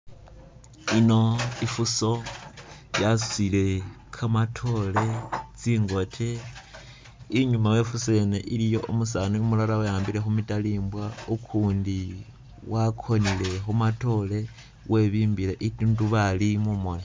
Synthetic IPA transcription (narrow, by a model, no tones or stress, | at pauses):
ino̞ifuso̞ | jassile̞ | kʰamatʰo̞le̞t͡siːŋɡo̞tʰe | iɲumawe̞fuse̞neʔilijo̞ʔumusanuimulaɾawajaːmbiɾe̞xumitaliːmbwaukʰuːndi | wakʰo̞nile̞xumato̞le̞ | wʔe̞βiːmbileʔitunduβalimumone